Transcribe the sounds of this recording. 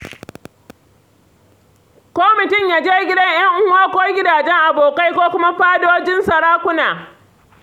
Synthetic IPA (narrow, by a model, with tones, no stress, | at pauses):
kʷoː˦mɪ˨tʊ˦˨mjaː˦d͡ʒeː˦ɡʲɪ˦dɐ˦ɲj̰ɐ˦ŋʔʊ˦aː˦kʷoː˦ɡʲɪ˦daː˨d͡ʒɛ˦ŋʔa˨boː˨ka˦jkʷoː˦kʷʊ˦ma˦ɸaː˦doː˦d͡ʒɪ˦nsɐ˨ɽaː˦kʷʊ˦naː˨